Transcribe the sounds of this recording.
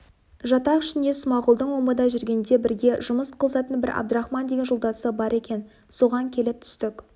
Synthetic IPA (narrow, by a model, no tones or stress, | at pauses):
ʒɑt̪ɑqɪʃɪnd̪e̞sʊmɑʁʊlˠd̪əɴwoməd̪ɑʒʏɾɡʲe̞nd̪e̞bɪɾɡʲe̞ʒʊməsqʰəlˠəsɑt̪ənbɪɾʔɑ̰b̚d̪əɾɑχmɑnd̪e̞ɡʲenʒolˠd̪ɑsəbɑɾʔe̞kʲe̞n | so̞ʁɑŋkʲʰe̞lɪp̚t̪ʰʏ̥st̪ɪk